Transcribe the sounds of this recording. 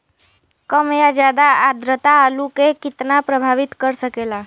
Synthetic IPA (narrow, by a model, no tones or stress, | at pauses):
kəmjad͡ʒjad̪aad̪ɾət̪aːlukekɪt̪napɾəbʱaʋɪt̪kəɾsəkela